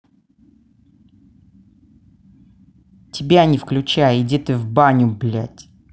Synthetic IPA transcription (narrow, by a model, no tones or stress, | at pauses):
tʲɪbʲanʲɪfklʲʉt͡ɕæjəɪdʲet̪ɨvbanʲʊblʲæ̰tʲ